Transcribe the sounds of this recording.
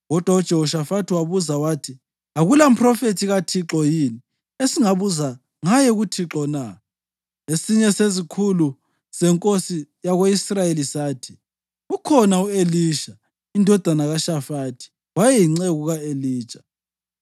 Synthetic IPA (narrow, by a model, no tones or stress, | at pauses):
ɣɔd̥ʱwau̥ʒ̥ʱɛɦɔʃafatʰiwaβuzawaːtʰi | aɣulam̩pʰrɔfetʰiɣatʰiǁɔjini | esiŋaβuza | ŋajɛɣutʰiǁɔna | esiɲɛsezikʰulu | z̥ɛŋkʼosijaɣweisrajelisaːtʰi̥ | ukʰɔnaueliːʃa | indʱɔd̥ʱanaɣaʃafatʰi̥ | wajɛjiŋ͡ǀeɣuɣaeliːt͡ʃʼḁ